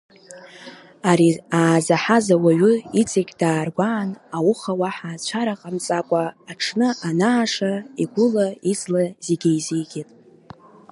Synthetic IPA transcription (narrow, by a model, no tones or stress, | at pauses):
aɾiaːzaħazawaɥʏit͡sʼikʲʼd̥aːrɡʷaːnawʊχawaħaːzt͡ʃʷʰaɾaqʼamt͡sʼakʷʼaːʈ͡ʂʰnɨʔanaːʂaiɡʷʊlaizlazeɡʲejzijɡʲetʼ